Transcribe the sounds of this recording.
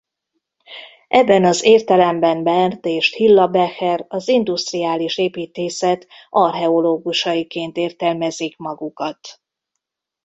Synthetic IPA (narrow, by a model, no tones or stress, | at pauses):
ʔɛbːɛnɒzeːrt̪ɛlɛmbɛnbɛnt̪eːʃhilːɒbɛhɛrɒzind̪ust̪rijaːliʃeːpiːt̪eːsɛt̪ | ʔɒrɦɛo̞loːɡuʃɒjikeːnt̪eːrt̪ɛlmɛzikmɒɡukɒt̪